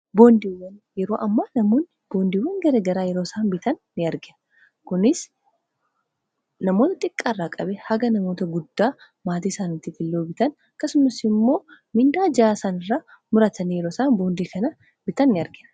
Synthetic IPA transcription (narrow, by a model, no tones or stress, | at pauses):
bo̞ːnd̪iːwːɐnjɛɾo̞ːʔɐmːaːnɐmoːnːɪb̥o̞ːnd̪iːwːɐnɡɐɾeːɡɐɾaːjɛɾo̞ːsaːnbɪt̪ɐnːɪɐɾɡɪnɐ | kʊnɪs | nɐmo̞ːt̪ɐt̪ʼɪkʼːaːrːaːkʼɐbɛhɐɡɐnɐmo̞ːt̪ɐɡʊd̪ːaː | maːt̪iːsaːnɪt̪ːit̪ɪlːoːbɪt̪ɐnɐkːɐsʊmɐsɪmːo̞ːmɪnd̪aːd͡ʒɪaːsaːnɪrːaː | mʊɾɐt̪ɐnijɛɾoːsaːnbo̞ːnd̪iːkɐnɐ | b̥ɪt̪ɐnːɪɐɾɡɪnɐ